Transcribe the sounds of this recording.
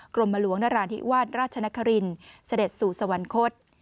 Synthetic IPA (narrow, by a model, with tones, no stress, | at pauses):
klo˧mːa˧lu˩˦ŋnaː˧ɾaː˧nt̪ʰḭ˦˥waː˥˩t̪̚ɾaː˥˩t̪̚t͡ɕʰa˧na˦˥kʰːa˧ɾi˧nsa˧de˨˩t̪̚suː˨˩sa˧wa˨˩˦nkʰo˦˥t̪̚